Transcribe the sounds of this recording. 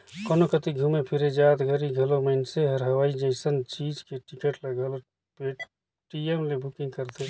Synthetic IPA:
kənokət̪iɡʱumepʰiɾed͡ʒat̪ɡʱəɾiɡʱəloməɪnseɦəɾɦəʋaːid͡ʒəɪsənt͡ʃid͡ʒkeʈikəʈləɡəl | peʈ | ʈiemlebukĩŋɡkəɾt̪e

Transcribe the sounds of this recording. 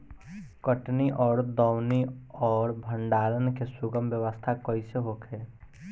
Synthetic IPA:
kəʈniʔɔːɾd̪ɔːwniɔːɾbʱə̃ɳɖaːlənkesʊɡəmʋjəʋəst̪ʰakɔiseɦokʰeː

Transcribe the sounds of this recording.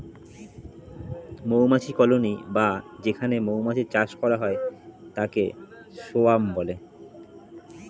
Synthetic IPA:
mowmat͡ɕʰikɔlonibad͡ʑekʰanemowmat͡ɕʰiɾt͡ɕaʃkɔɾaɦɔet̪akḛ | ʃoambɔle

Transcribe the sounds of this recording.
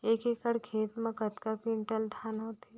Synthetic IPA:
eːkekəɽkʰeːt̪mẽkət̪kapiɳʈəld̪ʱaːnɦot̪e

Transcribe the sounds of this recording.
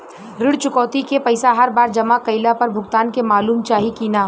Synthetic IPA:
ɾɪɽt͡ʃʊkɔːt̪ikepɐɪsaɦɐɾbaːɾd͡ʒɐmakɐɪlapɐɾbʱʊɡt̪aːnkemaːluːmt͡ʃaːɦikiːnaː

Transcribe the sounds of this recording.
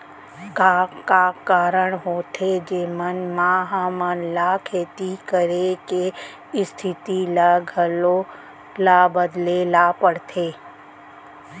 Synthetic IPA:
kakakaːɾəɽ̃ɦoːt̪ʰed͡ʒeːmənmaːɦamənlakʰeːt̪ikəɾeke | ɪst̪ʰɪt̪ilaɡʱəlo | laːbəd̪lelapəɽt̪ʰeː

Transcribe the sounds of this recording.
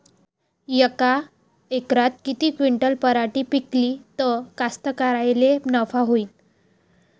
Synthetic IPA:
jəka | ekɾat̪̚kit̪iːkʋiɳʈəlpəɾaʈiːpikliːt̪əkast̪əkaɾajlenəfaɦoiːn

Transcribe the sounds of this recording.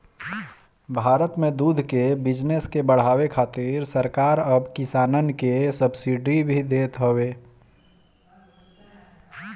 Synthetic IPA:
bʱaːɾət̪mẽd̪uːd̪ʱkebɪd͡ʒneskebəɽ̤aːwekʰaːt̪ɪɾsəɾkaːɾəbkɪsaːnənkesəbsiɖibʱid̪eːt̪ɦoweː

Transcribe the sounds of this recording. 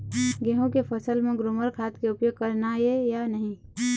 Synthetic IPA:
ɡeɦõkepʰəsəlmẽɡɾʊməɾkʰaːt̪keʊpjoːɡ̚kəɾnajejanəɦĩ

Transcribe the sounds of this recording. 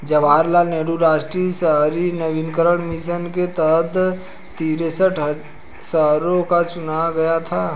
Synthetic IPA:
d͡ʒɐʋaːɾlaneːɽuɾaːʃʈɾisəɦɾinəʋɪnkəɾəɽ̃mɪʃənket̪əd̪ | t̪iːɾesəʈʰ | səɦɾõkat͡ʃʊnaɡɐjat̪ʰaː

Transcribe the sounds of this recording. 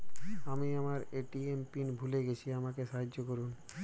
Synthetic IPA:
amiamaɾeʈiempinbʱuleɡet͡ɕʰiamakeʃaɦad͡ʑːokoɾun

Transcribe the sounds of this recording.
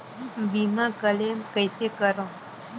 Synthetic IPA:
bimãkəlemkəjsekəɾõ

